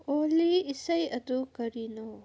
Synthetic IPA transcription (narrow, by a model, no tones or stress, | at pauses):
olːiːsɐjɐdukɐɾino